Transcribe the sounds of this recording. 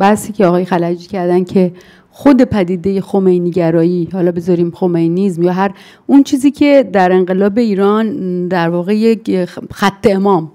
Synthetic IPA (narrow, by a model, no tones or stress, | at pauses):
bæhsiːcʰeɒɣɒːjxælæd͡ʒicʰæɾd̪æncʰe̞ | xod̪e̞pʰæd̪iːd̪e̞je̞xomejniɟæɾɒːjiːhɒːlɒːbe̞zɒɾiːmxo̞mejnizmjɒːɦæɾ | unt͡ʃʰiːziːcʰe̞d̪æɾe̞ŋɢe̞lɒːbe̞iːɾɒːnd̪æɾvɒːɣe̞jecxæt̪ʰːe̞emɒːm